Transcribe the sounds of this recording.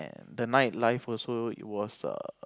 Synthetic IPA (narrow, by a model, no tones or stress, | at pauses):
ɛ̰̃ndənaɪt̚laɪfɔlsoḭt̚wɔsʌ̰